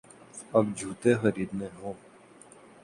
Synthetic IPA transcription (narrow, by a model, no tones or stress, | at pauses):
ɐb̚d͡ʒʱuːt̪exəɾiːd̪mẽɦõːm